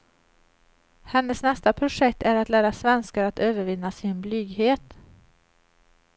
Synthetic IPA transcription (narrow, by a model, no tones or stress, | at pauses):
hɛnːəsnɛst̪apʰɾʊʂɛkt̪æɾat̪læːɾasvɛnskaɾat̪øːvəɾvɪnːasɪnblyːɡɦeːt̪